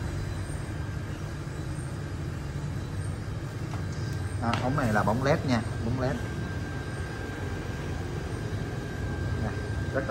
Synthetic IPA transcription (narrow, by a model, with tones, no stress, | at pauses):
ʔaː˨˩ʔə˨˦wŋ͡mna˨˩jlaː˨˩ɓa˨˦wŋ͡mlɛ˦˥t̚ɲaː˧ɓa˨˦wŋ͡mlɛ˦˥t̚ | ɲaː˨˩zə˦˥